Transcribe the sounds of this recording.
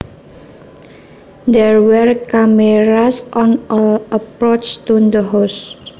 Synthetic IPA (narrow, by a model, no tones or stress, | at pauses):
d̪ɛrwɛrkameɾasʔɔnʔɔləpɾot͡ʃt̪und̪əɦos